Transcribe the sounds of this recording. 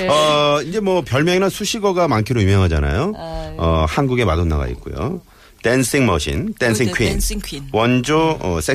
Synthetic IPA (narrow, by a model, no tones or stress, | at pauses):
ʌind͡ʑe̞mwʌpjʌɭmjʌŋinasʰuɕʰiɡʌɡamankʰiɾoumɦeŋɦad͡ʑa̰na̰joʌhanɡuɡe̞madonːa̰ɡa̰ḭt̚k͈ujo̰ | tensʰiŋmoɕʰḭntensʰiŋkʰwinwʌnd͡ʑoʌ̰s͈ʰe